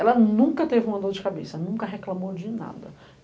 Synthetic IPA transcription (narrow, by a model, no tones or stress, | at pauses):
ɛlɐnũŋkɐt̪evɪũɐd̪od͡ʒɪkabesɐnũŋkɐɦeklamowd͡ʒɪna̰d̪ɐ